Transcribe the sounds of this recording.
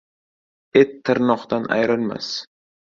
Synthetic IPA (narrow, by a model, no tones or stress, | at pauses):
et̪ʰːɨɾnɒqt̪anʔa̰jɾɪlma̰s